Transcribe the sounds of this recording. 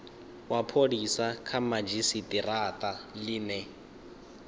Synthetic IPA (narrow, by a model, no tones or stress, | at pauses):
wapʰodisakʰamad͡ʒisitʼiratʼalɪːnɛ